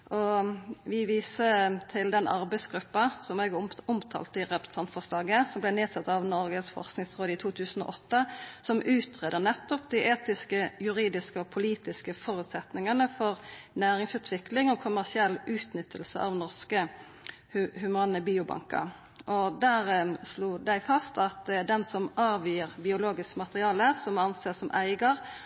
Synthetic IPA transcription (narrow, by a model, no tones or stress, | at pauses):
ʔɔʋɪʋiːsət̪ʰɪld̪ɛnʔɑɾbæɪsɡɾʉpːɑsɔmɛɡʊmt̪ʰɑ̰ːlt̪əɪʁɛpɾ̥ə̥s̩t̪ɑnt̪fɔʁʂlɑːɡəsɔmblɛneːd̪sɑt̪ːɑʋnɔʁɡəsfɔ̰ʁsknɪŋsʁoːd̪əɪt̪ʰuːt̪ʰʉːsən̩ɔ̰ːʔɔt̪ːəsɔmʔʉːt̪ʰʁeːd̪ənɛt̪ːɔp̚d̪iʔeːt̪ɪskəjʉʁiːd̪ɪskəɔpʰʊliːt̪ɪskəfɔɾʉt̪sɛt̪nɪŋɑnəfɔʁnæːʁɪŋsʉːt̪ʰʋɪklɪŋɔkʰʊmæʁsɪɛlːʔʉːt̪nʏt̪ʰːəlsə̰ʔɑ̰ʋnɔʁskə | hhʉmɑːnəbiːʊbɑ̰ŋkə̰ɾ | ʔɔd̪æːʁsluːd̪æɪfɑst̪ɑt̪̚d̪ɛnsɔmɑːʋiːəʁbɪʊloːɡɪskəmɑt̪əʁɪɑːləsɔmɑnseːsɔmʔæ̰ɪɡɑʁ